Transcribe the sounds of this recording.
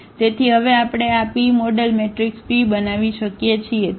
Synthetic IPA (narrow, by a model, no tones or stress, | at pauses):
t̪et̪ʰiɦəʋeapɽ̃eapimoɖəlmeʈɾikspibənaʋiʃəkjet͡ʃʰie